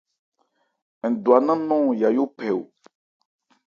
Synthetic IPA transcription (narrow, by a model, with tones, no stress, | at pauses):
ŋ̩˨du˨a˨nã˦nɔ̃˦˨ja˨jo˦pɛ˨wo˨